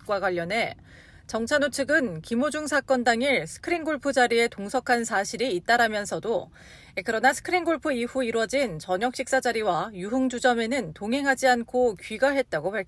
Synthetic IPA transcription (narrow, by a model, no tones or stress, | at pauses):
k͈waɡwaʎːʌnɦe̞ | t͡ɕʌŋt͡ɕʰanot͡ɕʰɯɡɯnkimod͡ʑuŋsʰak͈ʌndaŋiɭsʰɯ̥kʰɯɾinɡoɭpʰɯd͡ʑaɾie̞toŋsʰʌkʰansʰaɕʰiɾiːt̚t͈aɾamjʌnsʰʌdo | ekɯɾʌnasʰɯ̥kʰɯɾinɡoɭpʰɯiɸuiɾwʌd͡ʑint͡ɕʌɲʌk̚ɕ͈ʰik̚s͈ad͡ʑaɾiwajuɦɯŋd͡ʑud͡ʑʌme̞nɯntoŋɦe̞ŋɦad͡ʑiankʰokɥiɡaɦe̞t̚t͈aɡopaɭkʰ